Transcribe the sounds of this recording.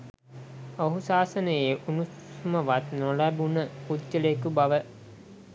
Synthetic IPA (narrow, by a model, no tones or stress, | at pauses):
oɦusaːsənəjeʔunuuməʋat̪nolæbunəud̪d͡ʒələkubaʋə